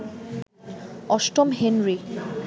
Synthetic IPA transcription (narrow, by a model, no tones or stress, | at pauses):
ɔsʈɔmɦenɹi